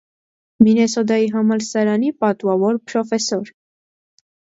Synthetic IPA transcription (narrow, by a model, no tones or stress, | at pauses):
minɛsɔd̪ɑjiɦɑmɑlsɑɾɑnipɑt̪wɑvɔɾpʰɾɔfɛsɔɾ